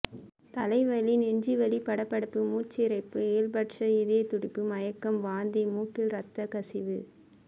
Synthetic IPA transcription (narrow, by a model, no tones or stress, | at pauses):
t̪ɐlɐɪʋɐlɪnɛɲd͡ʒiʋɐlipɐɽɐpːɐɽɯpːɯmuːt͡ʃːɪɾɐɪpːɯeːɭbɐʈʂɐɪðeːt̪ʊɽɪpːɯmɐjɐkːɐmʋaːnd̪imuːʈːɪlɾɐt̪ːɐkɐsɪʋɯ̰